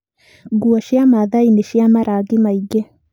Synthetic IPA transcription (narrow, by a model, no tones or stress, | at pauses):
ɡuaʃiamaðainiʃiamaɾaɡimaiɡe